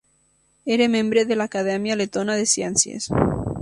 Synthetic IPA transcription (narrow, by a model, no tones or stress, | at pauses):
eɾemẽmbɾeðelaːkaðemjalet̪onaðesjensjḛs